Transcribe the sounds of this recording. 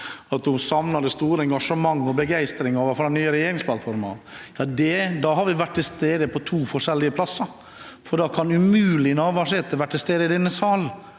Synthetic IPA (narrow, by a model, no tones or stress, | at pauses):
ɑt̪̚d̪ʊsɑmnɑd̪əst̪uːɾəɛŋɡɑʂəmɑŋːɔbəɡæɪst̪ɾɪŋɑʋɑfɾɛnyːəɾɛjeːɾɪŋspʰlɑt̪fɔɾmɑ̰jɑːd̪ɛd̪ɑɦɑɾʋɪʋæʈʈ̪ːt̪ʰɪlst̪eːd̪əpʰɔt̪ʰuːfɔʂɛlːɪəpʰlɑsːə | fɔɖɑːkʰɑnʉmʉːlɪnɑːʋɑːʂɪt̪əʋæʈ̚t̪ʰːɪlst̪eːd̪əɪd̪ɛnːəsɑːl